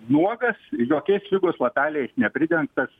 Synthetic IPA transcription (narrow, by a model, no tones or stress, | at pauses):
nuɔɡɐsjoːkʲɛɪslʲɪɡoːslˠɐt̪ʲæːlʲɪjɛɪsnʲɛpʲɾʲɪd̪ʲɛŋkt̪ɐs